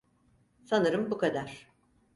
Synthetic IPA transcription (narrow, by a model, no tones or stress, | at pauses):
sanɯɾɯmbukʰad̪aɾ̥